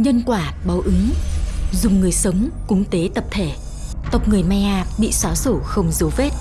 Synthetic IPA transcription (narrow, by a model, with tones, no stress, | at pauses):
ɲə˧nkwaː˧˩ɓaː˨˦wʔɨ˨˦ŋ | zʊ˨˩ŋ͡mŋɨ˨˩əjsə˨˦wŋ͡mkʊ˨˦ŋŋ͡mt̪e˨˦t̪ə˨˩p̚t̪ʰe˧˩ | t̪ə˨˩wk͡p̚ŋɨ˨˩əjma˨˩jʔaː˨˩p̚ɓḭ˧˨saː˨˦so˧˩xə˧wŋ͡mzə˨˦wve˦˥t̚